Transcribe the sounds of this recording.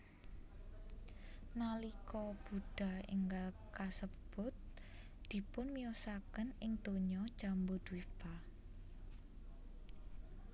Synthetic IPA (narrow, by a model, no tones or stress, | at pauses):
nalikɔb̥uɖ̥a̤ɪ̰ŋɡal | kasəb̥ʊt̪̚ | d̪̥i̤pʊnmiosakənɪŋt̪oɲɔd̥ʒ̥a̤mbʊd̪̥wipa